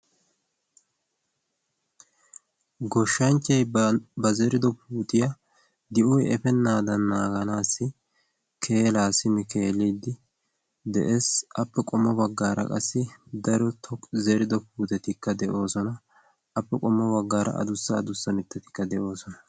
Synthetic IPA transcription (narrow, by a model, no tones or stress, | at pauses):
ɡɔʃːɐnt͡ʃːɐjbɐzɛɾɪd̪ɔpuːt̪ʼɪjɐ | d̪ɪʔɔjɛfɛnːaːd̪ɐnːaːɡɐnaːsːɪ | kʰe̞ːlaːsɪmɪke̞ːlːid̪ːɪ | d̪ɛ̰ʔeːsʔɐpːɛkʼɔmːɔbɐɡːaːɾʔɐ̰kʼɐsːɪd̪ɐɾɔt̪ʰɔzɛɾɪd̪ɔpuːt̪ʼɛt̪ɪkːɐd̪ɛʔo̞ːsɔnɐ | ɐpːɛkʼɔmːɔbɐɡːaːɾʔɐ̰ʔɐ̰d̪ʊsːɐːd̪ʊsːɐmɪt̪ːɛt̪ɪ̥kːɐd̪ɛʔo̞ːsɔnɐ